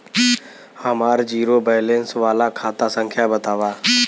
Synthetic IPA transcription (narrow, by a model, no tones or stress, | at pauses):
həmaːɾd͡ʒiːɾobəːlẽnsʋaːlakʰaːt̪asə̃ŋkʰjabət̪aːʋaː